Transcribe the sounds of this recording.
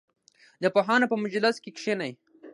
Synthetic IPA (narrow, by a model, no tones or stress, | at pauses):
d̪əpoɦɑːnapəmʊd͡ʒlɪskekʃenaj